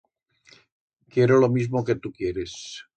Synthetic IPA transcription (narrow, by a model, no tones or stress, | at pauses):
kjeɾolomizmoket̪ukjeɾes